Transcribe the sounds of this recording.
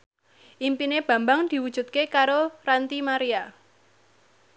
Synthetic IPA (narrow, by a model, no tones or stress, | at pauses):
ʔimpineb̥ä̤mbaŋd̪̥i̤wud̥ʒ̥ṳt̪̚kekaɾorant̪imaɾia